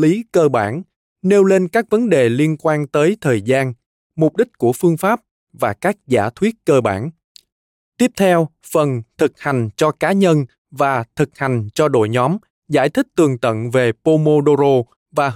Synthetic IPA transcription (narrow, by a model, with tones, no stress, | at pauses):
li˨˦kəː˧ɓa̰ː˧˩n | ne˧wle˧nkaː˦˥k̚və˨˦nɗe˨˩li˧ənkwaː˧nt̪əː˨˦jt̪ʰəː˨˩jzaː˧n | mʊ˨˩k͡p̚ɗï˦˥k̟̚ku˧˩əfɨ˧əŋfaː˦˥p̚ | vaː˨˩kaː˦˥k̚za̰ː˧˩t̪ʰwi˦˥ət̚kəː˧ɓa̰ː˧˩n | t̪i˦˥əp̚t̪ʰɛ˧w | fə˨˩nt̪ʰɨ˨˩k̚ha˨˩jŋ̟t͡ɕɔ˧kaː˨˦ɲə˧n | vaː˨˩t̪ʰɨ˨˩k̚ha˨˩jŋ̟t͡ɕɔ˧ɗo̰˧˨jɲɔ˨˦m | za̰ː˧˩jt̪ʰï˦˥k̟̚t̪ɨ˨˩əŋt̪ə̰˧˨nve˨˩po˧mo˧ɗo˧zo˧ | vaː˨˩